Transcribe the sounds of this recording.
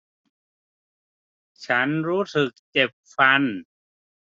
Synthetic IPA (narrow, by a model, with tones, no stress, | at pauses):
t͡ɕʰa˦˥nɾuː˦˥sɯ˨˩k̚t͡ɕe˨˩p̚fa˧n